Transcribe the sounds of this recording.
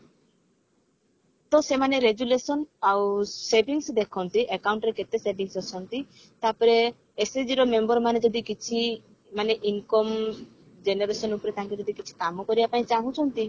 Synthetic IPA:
t̪ɔsemaneɾeɡjulesɔnawsebʱiŋsd̪ekʰɔnt̪iʔekawɳʈɾeket̪esebʱiŋsɔsʰɔnt̪i | t̪apɔɾeː | sed͡ʒiɾɔmembɔɾmaned͡ʒɔd̪ikit͡ʃʰi | maneʔiŋkɔm | d͡ʒeneɾesɔnupɔɾet̪akid͡ʒɔd̪ikit͡ʃʰi̥kamɔkɔɾibapaĩt͡ʃaɦũt͡ʃʰɔnt̪i

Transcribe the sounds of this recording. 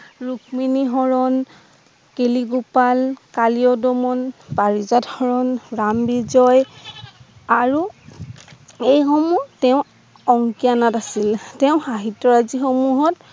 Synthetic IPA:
ɹukminiɦɔɹɔn | keliɡupalkaliɔdɔmɔnbaɹizadxɔɹɔnɹambizɔj | aɹu | ejxomutɛʊ̃ | ɔŋkianatasiltɛʊ̃xaɦitːɔɹazixomuɦɔt

